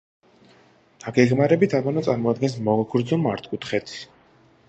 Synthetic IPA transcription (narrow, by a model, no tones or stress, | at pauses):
d̪̥aɡɛɡmaɾɛbit̪ʰamɔnɔt̪sʼaɾmɔad̪ɡɛns̬mɔɡɡɾd̪zɔmaɾt̪ʰʼkʼut̪ʰχɛt̪ʰs